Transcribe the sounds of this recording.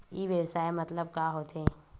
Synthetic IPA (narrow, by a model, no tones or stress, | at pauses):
iːʋjəwsaːemɐt̪ləb̚kaɦoːt̪e